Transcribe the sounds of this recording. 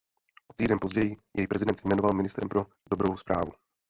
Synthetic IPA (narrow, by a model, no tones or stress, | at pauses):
ʔot̪iːdɛnpo̞zɟɛjɪjʔɛjipɾʔɛzɪdɛnt̪sɪjmɛno̞valmɪnɪst̪ɾɛ̰mpɾo̞ | do̞bɾowspɾaːvu